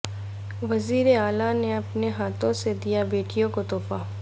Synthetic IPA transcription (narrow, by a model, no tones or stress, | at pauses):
ʋɐziːɾeaːlaneɐpneɦaːt̪ʰõsed̪ijabeːʈijõkot̪ɔːfaː